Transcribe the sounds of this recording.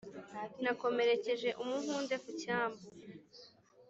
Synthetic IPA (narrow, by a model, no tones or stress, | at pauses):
nako̞me̞ɾe̞ce̞ʒe̞ʔumuɦuːnde̞kucaːmbo